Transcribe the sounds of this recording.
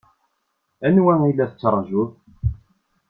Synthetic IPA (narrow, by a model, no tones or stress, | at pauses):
ænwæŋilːæθət͡sːɾˤːʒuð